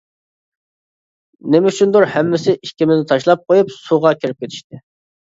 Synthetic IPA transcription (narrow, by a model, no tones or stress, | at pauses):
nemyt͡ʃʰynd̪uɾhɛmːɪsɪʔiʃkʲimɪzɪt̪ʰɑʃlˠɑp̚qʰojupsuʁɑkʲiɾɪp̚kʲet̪ʰi̥ʃt̪ɪ